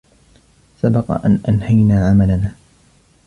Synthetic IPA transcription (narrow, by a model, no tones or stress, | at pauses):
sabɑqɑ̰ʔa̰nʔanhajnaːʕamalanaː